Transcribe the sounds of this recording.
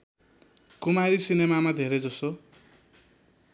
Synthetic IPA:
kumaɾisinemamad̪ʱeɾʌjd͡zʌso

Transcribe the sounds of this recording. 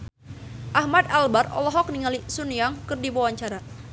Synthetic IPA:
ʔahmad̪albarɔ̰lɔɦɔk̚niŋalisunijaŋkɨrdiwawaɲt͡ʃaɾa

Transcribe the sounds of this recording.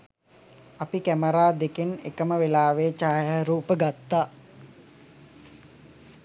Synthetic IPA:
apikæməɾaːd̪ekenḛkəməʋelaːʋeːt͡ʃaːjəɾuːpəɡat̪ːaː

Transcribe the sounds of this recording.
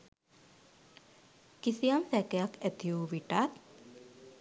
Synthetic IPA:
kisijamsækejakːæt̪ijuːʋiʈat̪

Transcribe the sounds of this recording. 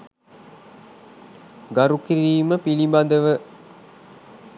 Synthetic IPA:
ɡaɾukiɾiːməpilibad̪əʋə

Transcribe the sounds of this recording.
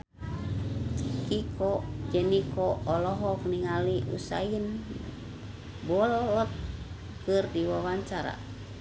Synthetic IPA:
kikɔd͡ʒɛnikɔːlɔɦɔkniŋaliʔṵsa̰in | bɔlɔlɔt̪̚ | kɨrdiwawaɲt͡ʃaɾa̰

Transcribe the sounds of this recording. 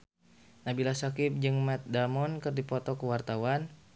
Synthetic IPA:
nabilasakip̚d͡ʒɨŋmɛt̪̚damɔnkɨrdipɔt̪ɔkəwart̪awan

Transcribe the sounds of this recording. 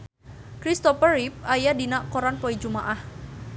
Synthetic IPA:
kɾist̪ɔfəɾip̚ajadinaʔkɔɾanpɔid͡ʒumaʔah

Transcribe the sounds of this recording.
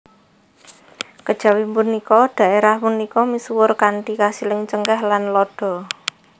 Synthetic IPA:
kəd̥ʒ̥a̤wimpunikɔd̪̥a̤ʔeɾahpunikɔmisuwʊrkaɳʈikasilɪŋt͡ʃəŋkɛhlanlɔɖ̥ɔ̤

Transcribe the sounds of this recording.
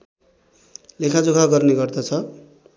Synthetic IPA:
lekʰad͡zokʰaɡʌrneɡʌrd̪ʌt͡sʰʌ

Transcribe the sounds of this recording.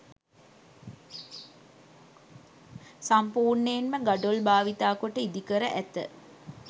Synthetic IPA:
sampuːrɳəjenməɡaɖolbaːʋit̪aːkoʈəid̪ikəɾəʔæt̪ə̰

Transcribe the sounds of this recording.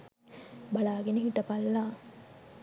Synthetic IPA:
bɐɭaːɡenikiʈːɐpɐlːaː

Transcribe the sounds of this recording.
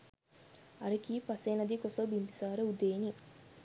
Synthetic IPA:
ɐɾekiːpɐseːnɐd̪ikosobimpi̥saːɾəud̪eːni

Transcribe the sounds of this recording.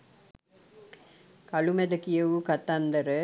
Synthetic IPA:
kalumɛd̪əkijəʋukat̪and̪əɾə

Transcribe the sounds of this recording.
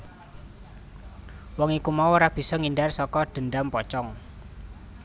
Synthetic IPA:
wɔŋikumauoɾab̥i̤sɔŋindarsɔkɔɖ̪̥ə̤nɖampɔt͡ʃɔŋ

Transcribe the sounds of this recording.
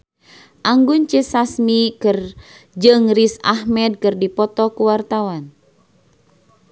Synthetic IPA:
ʔaŋɡunt͡ʃəsasmikɨr | d͡ʒɨŋrisahmɛd̚kɨrdipɔt̪ɔkuwart̪awan

